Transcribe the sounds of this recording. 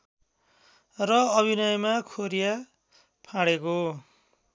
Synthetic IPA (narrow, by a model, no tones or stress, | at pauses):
rʌʌbʱinʌjmakʰoɾija | pʰãɽeko